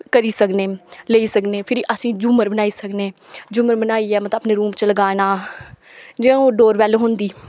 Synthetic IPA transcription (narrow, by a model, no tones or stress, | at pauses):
kəɾiːsəkneːleːiːsəkneːpʰɪɾiʔəsĩːd͡ʒuːməɾbənaːiːsəkneːd͡ʒuːməɾbənaːiːɛːmːt̪ːəpneːɾuːmt͡ʃələɡaːnaː | d͡ʒeːɖoːɾʋɛːleɦʊ̃nd̪iː